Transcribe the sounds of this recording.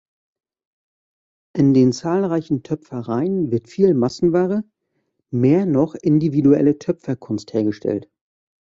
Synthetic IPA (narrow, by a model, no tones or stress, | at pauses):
ʔɪndeːnt͡saːlʁaɪçn̩tʰœpfɐʁaɪənvɪɐtfiːlmasn̩vaːʁə | meːɐnɔχʔɪndividuɛ̰lətʰœpfɐkʰʊnstheːɐɡəʃtʰɛ̰lt